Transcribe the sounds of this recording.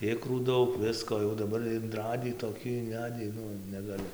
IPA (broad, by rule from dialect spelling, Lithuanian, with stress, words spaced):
ˈɪkruː ˈdɐʊk ˈʋʲɪskoː jɛʊ dɐˈbɐr ɪnˈrɑːdʲiː toːˈkʲiː ɪnʲˈʋʲæːdʲiː ˈnʊ nʲɛɡɐˈlʲɪ